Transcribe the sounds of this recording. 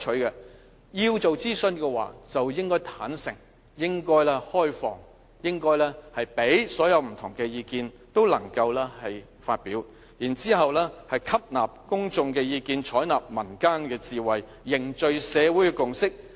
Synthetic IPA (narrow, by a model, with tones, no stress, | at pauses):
t͡ʃʰɵ˨˥kɛ˧ | jiː˧wt͡so˨wt͡siː˥sɵ˧nkɛ˧wa̰ː˨t͡sɐ˨wjɪ˥ŋkɔː˥jt̪ʰaː˨˥nsɪ˨˩ŋ | jɪ˥ŋkɔː˥jlɛ˥hɔː˥jfɔ̰ː˨ŋ | jɪ˥ŋkɔː˥jlɛː˥hɐ˨jpe˨˥jsɔː˨˥jɐ˨˧wm̩˨˩t̪ʰʊ˨˩ŋkɛ˧jiː˧kiː˧n | t̪o˥wlɐ̰˨˩ŋkɐ˧wlɛː˥hɐ˨j | fa̰ː˧t̚piː˨˥w | jiː˨˩nt͡siː˥ɦɐ˨wlɛː˥hɐ˨jkʰɐ˥p̚naː˨˩p̚kʊ˥ŋt͡sʊ˧ŋkɛː˧jiː˧kiː˧nt͡ʃʰɔː˨˥jnaː˨˩p̚mɐ˨˩nkaː˥nkɛː˧t͡siː˨wɐ˨jːɪ˨˩ŋt͡ʃɵ˨˧ɥsɛː˨˧wuː˨˥jkɛː˧kʊ˨ŋsɪ˥k̚